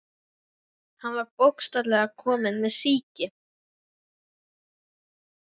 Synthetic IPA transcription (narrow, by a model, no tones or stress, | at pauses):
hanvaɾpowkst̪alɛːɣakʰɔːmɪnmɛðsiːcɪ